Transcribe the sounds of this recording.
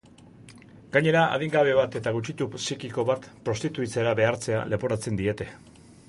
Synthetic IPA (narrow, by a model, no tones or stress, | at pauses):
ɡaɲe̞ɾaʔa̰ð̞iŋɡaβe̞βat̪e̞t̪aɣ̞ut͡ʃit̪usikiko̞βat̪pɾo̞st̪it̪uit͡seɾaβe̞aɾt͡se̞a̰le̞poɾat͡se̞nd̪ie̞t̪e̞